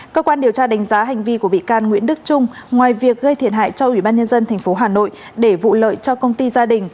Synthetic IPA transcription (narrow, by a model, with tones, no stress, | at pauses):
kəː˧kwaː˧nɗi˨˩əwt͡ɕaː˧ɗa˨˦jŋ̟zaː˨˦ɦa˨˩jŋ̟vi˧ku˧˩əɓḭ˧˨kaː˧nŋwḭ˧˥ənɗɨ˦˥k̚t͡ɕʊ˧ŋ͡mŋwaː˨˩jvi˨˩ək̚ɣə˧jt̪ʰi˧˩ənɦa̰ː˧˨jt͡ɕɔ˧ʔwi˧˩ɓaː˧nɲə˧nzə˧nt̪ʰɛ˨˩jŋ̟fo˨˦ɦaː˨˩no̰˧˨j | ɗe˧˩vṵ˧˨lə̰ː˧˨jt͡ɕɔ˧kə˧wŋ͡mt̪i˧zaː˧ɗï˨˩ŋ̟